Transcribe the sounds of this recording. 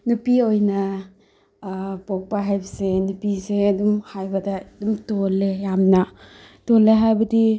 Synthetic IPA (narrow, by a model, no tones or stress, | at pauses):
nipiojna | pok̚paɦajbɐsenipiseːdumhajbɐdadumtolːejamna | toleɦajbɐdi